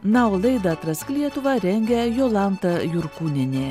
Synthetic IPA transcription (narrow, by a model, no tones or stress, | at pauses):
nɑolˠɐɪd̪ɐt̪ɾɐsʲklʲiɛt̪ʊʋɐɾʲɛŋʲɡʲɛjoːlˠɑnt̪ɐjʊɾkuːnʲɪnʲeː